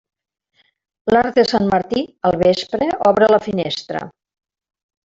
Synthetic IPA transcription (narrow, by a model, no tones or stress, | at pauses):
laɾ̚d̪əsanməɾt̪iəlˠβespɾəɔβɾələfinest̪ɾə̰